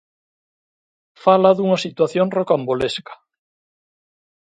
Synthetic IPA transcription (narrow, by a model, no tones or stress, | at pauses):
falaðuŋasit̪waθjonrokamboleskḁ